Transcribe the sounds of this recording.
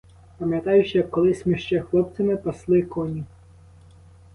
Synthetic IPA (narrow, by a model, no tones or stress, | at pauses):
pɐmʲjɐt̪ɑjʊʃjɐkːɔlˠɪsʲmʲiʃt͡ʃɛxlˠɔp̚t̪sɐmɪpɐslˠɪkɔnʲi